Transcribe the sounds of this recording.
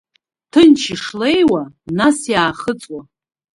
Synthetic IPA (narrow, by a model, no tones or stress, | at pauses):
tʰɨnt͡ʃʰɪʂle̞jwanasjaːχət͡sʼwa